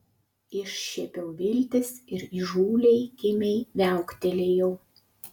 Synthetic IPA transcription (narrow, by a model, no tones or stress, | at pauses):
ɪʃʃʲɛpʲɛʊʋʲɪlʲt̪ʲɪsɪɾiʒuːlʲɛɪkʲɪmʲɛɪʋʲæˑʊkt̪ʲɛlʲeːjɛʊ